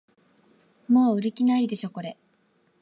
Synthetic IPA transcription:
moːɯ̟ɾikʲinaiɾʲid̪e̞ɕo̞ːko̞ɾe

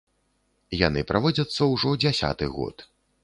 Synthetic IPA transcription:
jan̪ɨpɾʔavɔd͡zʲɐt̪sːɐwʐɔd͡zʲasʲa̰t̪ɨɣɔ̰t̪

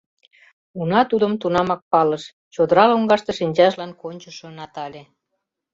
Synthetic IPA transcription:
unɑt̪ud̪əmt̪unɑmɑk̚pɑləʃ | t͡ɕod̪əɾɑloŋɡɑʃt̪ə̆ʃinʲt͡ɕɑʃlɑnkonʲt͡ɕəʃŏnɑt̪ɑlʲe

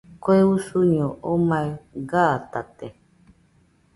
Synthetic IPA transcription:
koeusuɲoomaeɡat̪at̪e

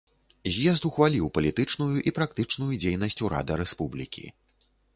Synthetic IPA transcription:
zʲjɛzt̪uxvalʲiwpɐlʲit̪ɨt͡ʂnujuʔipɾak̚t̪ɨt͡ʂnujud͡zʲejnɐsʲt͡sʲuɾa̰d̪ɨɾɛspublʲḭkʲḭ

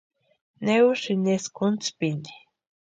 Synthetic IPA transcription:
neuʃineskunt͡spine̥

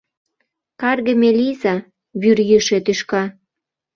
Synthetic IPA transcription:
kɑrɣĕmelʲizɑ | βyrjiʃet̪yʃkɑ

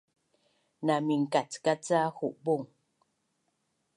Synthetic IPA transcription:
namiŋ̩katkat͡sahuʔboŋ

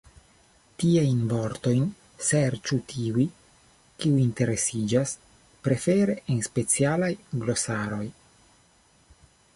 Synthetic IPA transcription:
tiajnvo̞ɾt̪o̞jn | seɾt͡ʃutʰiuj | kiuinte̞ɾe̞sid͡ʒas | pɾe̞fe̞ɾe̞ʔenspe̞t͡sialajɡlo̞saɾo̞j

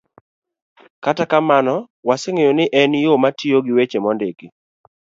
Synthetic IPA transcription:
katakamanɔ | waseŋejonɪʔɛnjomatioɡɪwet͡ʃemɔndeki

